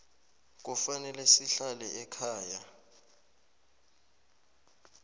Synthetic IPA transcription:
k̬ʼufanɛlɛsiɬalɛʔɛkʰaːja

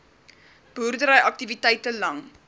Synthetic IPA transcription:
b̥urdəɾəjʔɐk̚tivitɛjtəlɐŋ

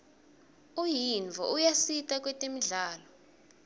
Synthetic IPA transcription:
ujiɱvʱɔ̰ʔujasitʼak̬ʼwɛtʼemiɮaːlɔ

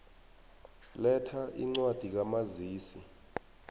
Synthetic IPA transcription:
lɛtʰaʔḭŋ͡ǀwad̥ʱik̬amaziːsi

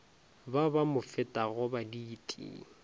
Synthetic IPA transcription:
babamʊfɪtʼaɣʊbadiːtʼḭ

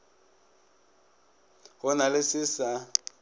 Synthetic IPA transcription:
ɣʊnalɪsɪsa

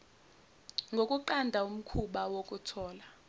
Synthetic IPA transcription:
ŋɡʱokʼuǃandʱaum̩kʰuɓawok̬ʼutʰɔːla

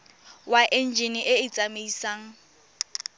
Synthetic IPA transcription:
waʔɛnd͡ʒʱiniʔɪɪt͡sʼameisaːŋ̩

